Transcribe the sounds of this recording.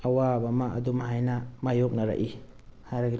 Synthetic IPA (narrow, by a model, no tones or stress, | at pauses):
ɐwabɐmaʔɐ̰dumaɦajnamajok̚nɐɾa̰ʔi | hajɾaɡi